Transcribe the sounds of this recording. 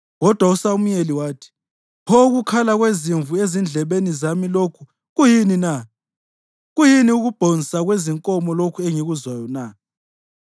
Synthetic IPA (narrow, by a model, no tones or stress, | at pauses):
ɣɔd̥ʱwausaum̩jeliwaːtʰi̥ | pʰɔɣukʰalaɣweziɱvuezind͡ɮʱɛβenizamilokʰu̥ | ɣujinina | ɣujiniuɣub̥ʱonisaɣweziŋkʼɔmɔlokʰueŋiɣuzwajɔna